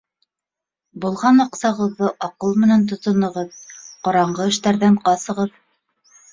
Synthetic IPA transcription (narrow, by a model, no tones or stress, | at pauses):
bulˠʁɑnɑqsɑʁɤ̆ðːɤʔɑqɤlˠmɘ̆nænt̪̬ŏt̪ɤ̆nɤ̆ʁɤðqŏɾɑɴɢɤɘ̆ʃt̪æɾðæɴqɑsɤ̆ʁɤð